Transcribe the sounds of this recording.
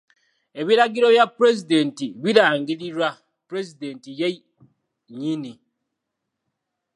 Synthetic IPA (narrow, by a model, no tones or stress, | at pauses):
e̞βiɾaɡiɾo̞βjapɾezide̞ntiβiɾaːŋɡiliɾwa | pɾe̞zide̞ntije | ɲini